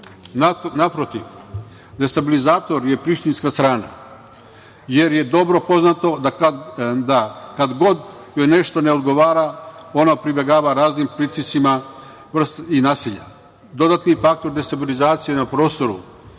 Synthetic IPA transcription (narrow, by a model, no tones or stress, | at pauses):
nnapɾo̞t̪iʋ | d̪e̞st̪abilizaːt̪o̞ɾje̞pɾiʃt̪inskast̪ɾaːna̰ | je̞ɾje̞d̪o̞bɾo̞po̞znat̪o̞d̪a | d̪akad̪ɡo̞d̪ | jojne̞ʃt̪o̞ne̞o̞d̪ɡo̞ʋaːɾao̞napɾibeɡaːʋaɾaːznimpɾit̪isima | ʋr̩st̪inaːsiʎa̰ | d̪o̞d̪at̪nifak̚t̪o̞ɾd̪e̞st̪abilizaːt̪sije̞napɾo̞ːst̪o̞ɾu